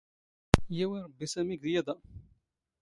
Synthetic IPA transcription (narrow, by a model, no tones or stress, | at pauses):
jæwiɾˤəbːisæmiɡðjæðæ